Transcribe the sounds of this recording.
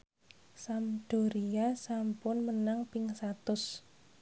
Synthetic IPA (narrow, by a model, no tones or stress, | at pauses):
samd̥o̤ɾiasampʊnmənaŋpɪŋsat̪ʊs